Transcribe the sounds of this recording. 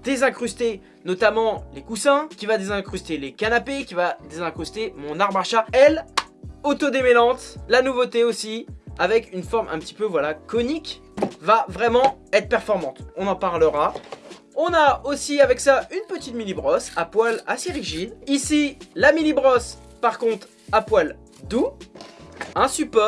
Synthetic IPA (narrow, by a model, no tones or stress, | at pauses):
d̪̥ezɛ̃kχyst̪e | nɔt̪amɑ̃lekusɛ̃kʲivad̪ezɛ̃kχyst̪elekanapekʲivad̪ezɛ̃kχyst̪emɔ̃naʁmaʁʃaɛl | ot̪od̪emelɑ̃t̪lanuvot̪eosiavɛkynfɔʁmʔɛ̰̃pət̪i̥pøvwalakɔnik | vavʁɛmɑ̃ɛt̪χpɛʁfɔʁmɑ̃t̪ɔ̃nɑ̃paʁləʁa | ɔ̃naosiavɛksaynpət̪it̪milibʁɔsapwala̰siʁiʒid̪isilamilibʁɔs | paʁkɔ̃t̪χ | apwal | d̪u | ɛ̃sypɔ